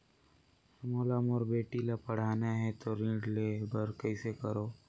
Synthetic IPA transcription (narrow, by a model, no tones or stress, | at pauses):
moːlamoɾbeːʈilapɐɽ̤aːnaɦɛt̪oɾĩːɖleːbəɾkɐisekɐɾoː